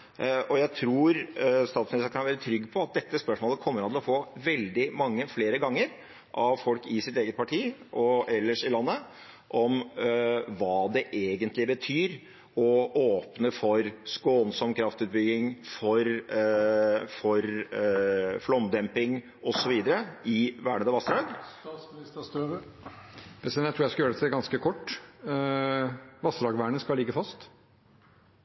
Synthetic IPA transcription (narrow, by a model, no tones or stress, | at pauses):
ʔɔjæɪt̪ʰɾuːɾst̪ɑːt̪smɪnɪst̪əɾkʰɑnʋælɾɪt̪ʰɾʏɡːpʰɔɑt̪̚d̪ɛt̪ːəspœʂmoːləkʰɔmːəɾɑnt̪ɪlɔfoːʋɛld̪ɪmɑŋːəfleːɾəɡɑŋːəɾ | ʔɑʋfɔlkɪsɪt̪eːɡət̪̚pʰɑʈʰiːʔɔɛlːəʂɪlɑnːə | ʔɔm | ʋɑːd̪ɛʔeːɡənt̪lɪbət̪ʰyːɾ | ɔoːpnəfɔɾskoːnsɔmkʰɾɑft̪ʉːt̪̚bʏɡɪŋfɔɾ | fɔɾ | flɔmd̪ɛmpɪŋ | ɔsɔʋiːd̪əɾəɪʋæːɳəd̪əʋɑst̪ɾɑɡs | pʰɛsɛnæt̪ʰɾuːjæskɑljøːɾɛt̪ɛɡɑnskəkʰɔʈː | ʋɑst̪ɾɑːɡʋæːɳəskɑlɪɡːəfɑst̪